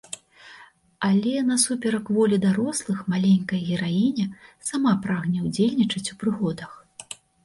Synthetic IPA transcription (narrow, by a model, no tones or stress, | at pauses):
alʲɛnɐsupʲɛɾɐkvɔlʲid̪aɾɔslˠɨxmalʲenʲkɐjɣʲɛɾajinʲɛsamapɾaɣnʲɛwd͡zʲelʲnʲit͡ʂɐt͡sʲupɾɨɣɔd̪ɐx